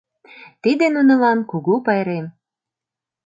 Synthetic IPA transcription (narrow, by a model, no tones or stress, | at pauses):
t̪id̪enunə̆lɑnkuɣupɑjɾem